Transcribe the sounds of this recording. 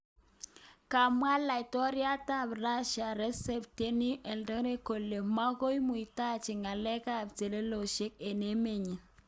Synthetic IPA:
ka˨mwa˦la˨ɪ˨tɔ˦ɾja˦ta˦˨bɾa˦ʃa˨ɾɛ˦sɛ˨p̚te˦ni˦ʔɛ˨ndɔ˦ɾe˦ko˨le˨ma˦ɣo˦jmu˨i˨ta˦˨t͡ʃɪ˨ŋa˨lɛ˦ka˦˨bte˨le˦lo˨ʃe˦k̚e˨ne˦me˦˨ɲi˨

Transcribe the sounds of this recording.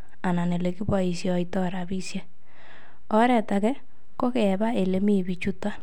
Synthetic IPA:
a˨na˨ne˨le˨ki˦bwa˨i˨sjɔ˨itɔ˦ɾa˨bi˦sje˦ | ɔ˦ɾɛ˦˨ta˨kɛ˦ | ko˦ke˨ba˦e˨le˨mi˦˨bi˨t͡ʃu˦ta˦

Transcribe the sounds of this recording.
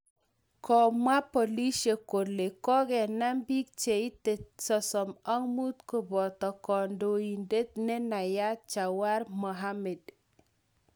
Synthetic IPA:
kɔ˨mwa˦pɔ˨li˦ʃe˨ko˨le˨kɔ˦ɡɛ˨na˦mbi˦k̚t͡ʃe˨i˦te˨sɔ˨sɔ˨ma˦ŋmu˦t̪ko˨bɔ˨t̪ɔ˨kɔ˨ndo˨i˨nde˦t̪̚nɛ˦na˨ja˦t͡ʃa˨wa˦ɾmɔ˨ɦa˦mɛ˨d

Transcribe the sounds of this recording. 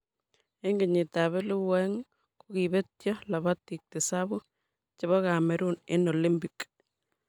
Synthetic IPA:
e˦ŋɡɪ˨ɲɪ˨ta˨βe˦lu˦wɛŋ | ku˨kibe˦tjɔ˦la˨βa˦tːi˨k̚tɪ˨sabu˦ | t͡ʃβa˦ka˨me˨ɾu˦ne˦noli˦mpi˨k

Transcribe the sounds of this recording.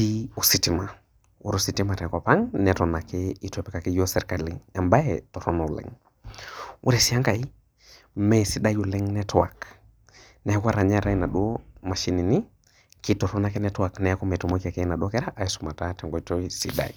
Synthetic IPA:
i˦u˨si˨ti˦ma˨ | ṵ˦ɾosi˨ti˦ma˨tɛ˨ka˨pa˦ŋnɛ˨tɔ˨na˨kɛi˦tɔ˨pɛ˨ka˨ki˦jɔ˦sɛ˦ɾka˨lḭŋɛ˨mba˦jɛtɔ˨tɔ˦nɔ˨u˨lɛ̰˨ŋ | ṵ˦ɾɛ˨si˨a˦ŋka˨i˦ | mɛ˨si˨ɗa˦ju˨lɛ˦ŋnɛ˦tɔwa˨k | nɛ˨a˦kwa˦ɾa˨ɲa˦ɾa˦ina˨ɗɔ˦ma˨ʃi˨˦ni˨ni˦ | ki˦tɔ˨tɔ˦na˨kɛ˦nɛtɔ˦a˨knɛ˨a˦kɔ˦mɛ˨tu˨mo˦ki˦a˨kɛ˦na˨ɗɔ˦kɛ˦ɾa˦ʔa˨isuma˨tatɛ˨ŋɡɔ˨itɔ˦isi˨ɗa̰˨i˨

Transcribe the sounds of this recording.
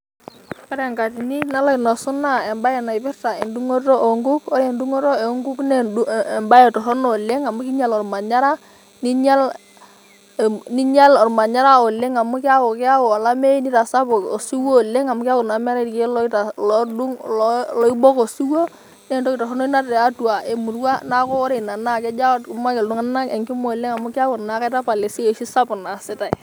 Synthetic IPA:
ka˦ɾɛ˨ŋka˨ti˨ni˦na˦lɔ˦i˨nɔ˨su˦na˦˨ɛ˨mba˦jɛ˨na˨i˨pɪ˦ɾta˨e˨ndu˦ŋo˦tɔ˦ʔɔ˨ŋɡu˦kɔ˦ɾɛ˨ndu˦ŋo˦tɔ˦e˨˦ŋɡu˦knɛ˦˨mba˦jɛ˨tɔ˨ɦɔ˦nɔ˨le˦ŋa˨mu˦ki˦ɲa˨lɔ˨ɾma˨ɲa˦ɾa˦ | ni˦ɲa˦l | ni˦ɲa˦lɔ˨ɾma˨ɲa˦ɾa˦ɔ˨le˦ŋa˨mʊ˦kɪ˦a˦wʊ˨kɪ˦a˦wɔ˨a˨la˦me˦i˦ni˦ta˨sa˦pʊ˨o˨si˦wo˦˨le˦ŋa˨mʊ˦kɪ˦a˦wʊ˨na˨mɛ˦ɾa˦tke˦lɔ˦ta˨lɔ˦du˦ŋllɔ˦i˦bɔ˦ko˨si˦wo˦ | nɛ˦˨ntɔ˦ki˨tɔ˨ɦɔ˦no˦i˦na˦tɛ˨a˦tu˨a˨e˨mu˨ɾwa˦na˦kɔ˦ɾe˦˨na˨na˦˨kɛ˦d͡ʒa˦tkma˦kɪ˨ldu˦ŋa˦na˦kɛ̰˨ŋkɪ˦mo˦˨le˦ŋa˨mʊ˦kɪ˦a˦wʊ˨rna˨˦ka˦ta˦pa˨le˨si˦e˨ʃi˦sa˦pʊ˨na˨sɪ˦ta˨i˨

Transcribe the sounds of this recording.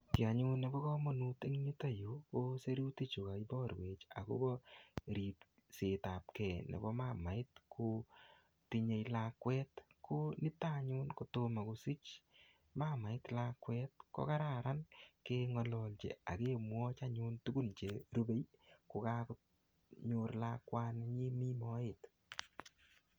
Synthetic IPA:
ki˨a˨ɲu˦nːe˨bɔ˦kɔ˦mɔ˨nu˦te˦ŋɲi˦ta˦ju˨˦ko˦se˦ɾu˦ti˦t͡ʃu˨ka˨ibɔ˦rwe˨t͡ʃa̰˨ko̰˦bɔ˦ɾi˨t | se˨ta˨p̚kɛ˨nḛ˨bɔ˦ma˦ma˨ɪ˦tkʰo˧ | tiɲe˧jlakwɛtkʰonɪ˦taɲʊ˦nko˨to˧ma˨ko˧si˦t͡ʃ | ma˦ma˨ɪ˦tlakːwɛt̚ko̰˦ka˦ɾaɾa˦nkeŋɔ˧lɔ˨lt͡ʃḛ˨a˨ke˦mwɔ˦t͡ʃa˦ɲu˦ntu˦ɡu˦nt͡ʃe˨ɾu˦be˦jko˨ka˦ku | ɲʊ˧rlakwa˦nɲi˦mi˦mɔ˦ɪt

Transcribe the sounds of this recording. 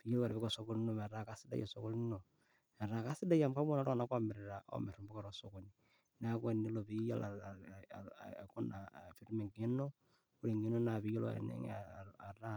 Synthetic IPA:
βi˨jo˦lo˦ka˨ɾβi˦ko˨so˦ko˦n˦no˨ma˨ɾa˨ka˨si˦da̰˦jo̰˨so˦ko˦lno˨ | ma˨ɾa˨ka˦si˦da˦ja˨mka˦βo˦na˦ɾa˨na˦kwa˦me˨ɾe˨ɾa˨o̰me˨ɾu˨mbo˦ka˨ɾo˨so˨ko˨ni | na˦kwe˨ni˦lo˨βi˦ja̰˦la˨ | ko˦nafi˨ɾu˦me˨ŋɡe˦no˦ | u˦li˨ŋɡe˦no˦na˨βi˨jo˦lo̰a̰˨nḛ˦ŋ̰a̰a˨ɾa˦

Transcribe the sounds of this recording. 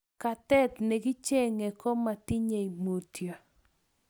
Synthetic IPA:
ka˨t̪ɛ˦t̪ne˨ɡɪ˦t͡ʃe˦ŋe˨kɔ˦ma˨ti˦ɲe˨i˨mo˨tjo˨

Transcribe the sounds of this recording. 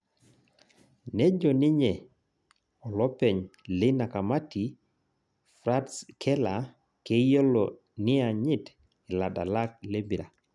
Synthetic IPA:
nɛ˦d͡ʒɔ˨ni˦ɲɛ˨ | ɔ˨lɔ˦pɛ˨ɲlɪ˦na˨ka˨ma˦ti˨ | fɾa˦tskʰɛ˦la˨ | ke˦ijo˦lɔ˨ | nɪ˦a˨ɲɪ˦t | ɪ˨la˨da̰˨la˦k̚le˦mbi˨ɾa˨

